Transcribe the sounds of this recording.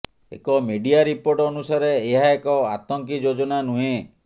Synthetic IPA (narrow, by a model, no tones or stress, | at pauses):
ḛkɔmeɖiaɾipoɾʈɔnusaɾeːɦaekɔat̪ɔŋkid͡ʒod͡ʒɔnanuɦẽ